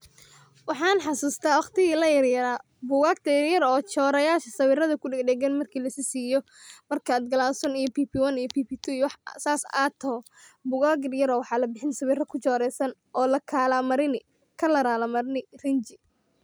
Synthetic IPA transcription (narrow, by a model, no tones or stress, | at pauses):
wɑħɑːnħɑsuːst̪ʰaːwɑχt̪ɪɣiːlɐjɐrjɐɾaː | bʊɣaːɡ̚t̪ʰɐɪrjɐɾɔːt͡ʃɔːɾɐjaːʃɐsɐβɪrɐðɐkʰʊɖɛɡɖɛɡɐnmɐrkʰiːlɐsisiːjɔ | mɐrkʰɐaːd̪̚ɡɐlaːsɔnijɔpiːpʰiːwɐnijɔpʰiːpʰiːt̪ʰujwħsaːsat̪ʰɔː | bʊɣaːɡɪrjɐɾɔːwɑħɑːlɐbɪħɪnsɐβɪrɐkʰʊt͡ʃɔːɾɛjsɐnʔɔːlɐkʰaːlamɐɾɪnɪ | kʰɐlɐɾaːlɐmɐɾnɪrɐnt͡ʃɪ